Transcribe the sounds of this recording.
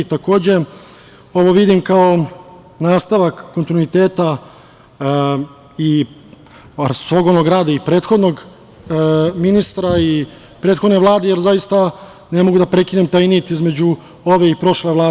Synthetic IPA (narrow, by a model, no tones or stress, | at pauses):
it̪ako̞ːd͡ʑe̞ | o̞ʋo̞ʋid̪imkao̞ | naːst̪aʋakːont̪inuit̪eːt̪a | i | soɡonoɡɾaːd̪aipɾe̞ːt̪xo̞d̪no̞ɡ | minist̪ɾai | pɾe̞ːt̪xod̪neʋlˠaːd̪ejeɾzajist̪a | ne̞moɡud̪apɾe̞kine̞mt̪ajnit̪izme̞d͡ʑu | o̞ʋe̞ipɾo̞ʃleʋlˠaː